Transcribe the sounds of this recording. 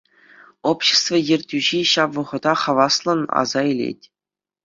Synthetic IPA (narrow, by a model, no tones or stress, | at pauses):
opɕĕ̥st̪vɤ̆jĕrʲtʲyʑiɕɑpʋɤ̆ʁɤ̆d̪ɑχɑʋɑslˠɤ̆nɑ̰zɑelʲḛtʲ